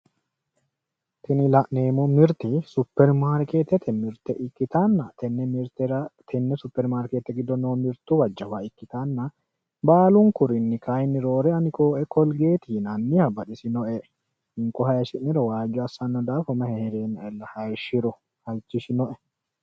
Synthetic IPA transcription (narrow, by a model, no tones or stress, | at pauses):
t̪ɪnɪlɐʔneːmʊmɪɾt̪ɪsʊpːɛɾmaːɾkeːt̪ːɛt̪ɛmɪɾt̪ɛʔɪkːɪt̪anːɐt̪ɛnːɛmɪɾt̪ɛɾɐt̪ʰɛnːɛsʊpːɛɾmaːɾkeːt̪ːɛɡɪd̪ɔnoːmɪɾt̪ːʊwɐd͡ʒːɐwaɪkːɪt̪anːɐ | baːlʊŋkʊɾɪnːɪkɐjnːɪɾo̞ːɾɛɐnɪkʼoːʔɛkɔlɡe̞ːt̪iːnɐnːɪhɐbɐɗɪsɪnɔʔɛ | ɪŋkːɔhɐjɐʃɪʔnːɪɾɔwaːd͡ʒɔɐsːɐnːɔd̪aːfɔmɐhɛhɛɾeːnːɐɛlːɐhɐjʃɪɾʊ | hɐjt͡ʃːɪʃɪnɔʔɛ